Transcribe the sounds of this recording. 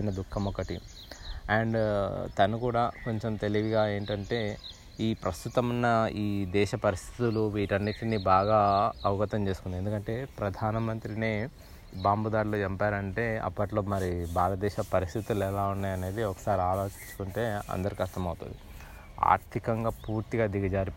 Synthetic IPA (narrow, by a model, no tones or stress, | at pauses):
nɐd̪ukʰːɐmɔkːɐʈḭ | ɛɳɖt̪ɐnukuːɽaːko̞ɲt͡ʃe̞mt̪e̞liʋiɡaːe̞ːɳʈɐɳʈe̞ː | iːpɾɐst̪ut̪ɐmɐnːɐiːd̪ɛːʃɐpɐɾist̪ʰit̪uluʋiːʈɐnːiʈiniːbaːɡaːɐʋɡɐt̪ɐmt͡ʃe̞ːsu̥kund̪iend̪ukɐɳʈe̞ːpɾɐd̪ʱaːnɐmɐnt̪ɾineː | baːmbud̪aːɾlod͡ʒɛmpaːɾɐɳʈe̞ːɐ̰pːɐʈlo̞ːmɐɾibʱaːlɐd̪ɛːʃɐpɐɾist̪ʰit̪ulɛlaːunːaːjɐne̞ːd̪iɔkɐ̥saːɾiaːlo̞ːt͡ʃiɲt͡ʃːu̥kuɳʈe̞ːɐ̰nd̪ɐɾukɐʃt̪ʰɐmɐwt̪ṵnd̪i | a̰ːɾt̪ʰikɐŋɡaːpuːɾt̪iɡaːd̪iɡɐd͡ʒaːɾi